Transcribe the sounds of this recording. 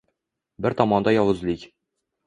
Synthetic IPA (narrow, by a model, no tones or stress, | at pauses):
bɘɾt̪ɒmɒnd̪ɑjɒwɤ̆zlik